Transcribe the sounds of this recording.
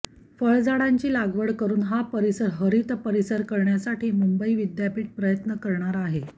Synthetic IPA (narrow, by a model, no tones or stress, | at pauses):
fəɭd͡zaɽaɲt͡ɕiːlaɡʋəɽkəɾuːnɦapəɾisəɾɦəɾit̪pəɾisəɾkəɾɳjasaʈʰiːmumbəiʋid̪japiːʈ̚pɾəjət̪nəkəɾɳaɾaɦe